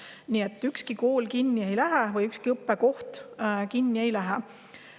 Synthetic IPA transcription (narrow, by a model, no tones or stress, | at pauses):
niet̪ːˑykskikoːlkinʲːie̞jlæɦevɤjykskiɤpːeko̞ht̪kinʲːie̞jlæɦɛ